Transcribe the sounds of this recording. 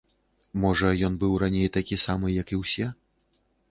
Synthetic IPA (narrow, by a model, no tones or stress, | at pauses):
mɔʐɐjɔnbɨwranʲejt̪akʲisamɨjɐkiwsʲɛ